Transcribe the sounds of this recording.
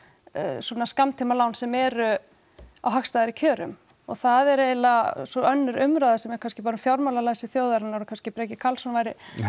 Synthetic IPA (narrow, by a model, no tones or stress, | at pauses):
swɔːnaskamt̪ʰimalaːwnsɛmɛɾʏ | a̰wɦaxst̪ajðɪɾicʰœːɾʏm | ɔ̰ɣθaðɛɾejlasɔœnːʏɾʏmɾajðasɛmɛ̥kʰanscɪpaːɾʏmfjawɾmawlalaːjsɪθjoːwðaɾanawɾʏkʰanscɪpɾɛːcɪkʰalsɔnavajɾɪ